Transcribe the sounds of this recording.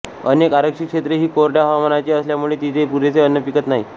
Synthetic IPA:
ənekaɾəkʂikʂet̪ɾəɦiːkoɾʈjaɦəʋamənat͡ɕeəsljamuɭet̪it̪ʰepuɾet͡seənːəpikət̪naɦḭ

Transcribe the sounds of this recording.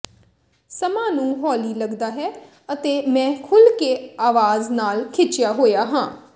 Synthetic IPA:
səmãːnũːɦɔːliːləɡd̪aːɦɛː | ət̪eːmɛ̃ːkʰʊlkeːaːʋaːznaːlkʰɪt͡ʃɪjaːɦoːjaːɦãː

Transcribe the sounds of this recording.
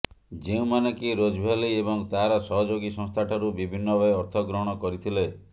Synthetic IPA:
d͡ʒeũmanekiɾod͡ʒbʱaliebɔŋt̪aɾɔsɔɦɔd͡ʒoɡisɔ̃ŋst̪ʰaʈʰɔɾubibʱinːɔbɔeɔɾt̪ʰɔɡɾɔɦɔɽ̃ɔkɔɾit̪ʰile

